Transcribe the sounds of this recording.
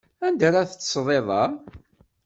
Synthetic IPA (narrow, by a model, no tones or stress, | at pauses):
ænd̪ɾaθt͡sːsˤðˤeðˤɑʁ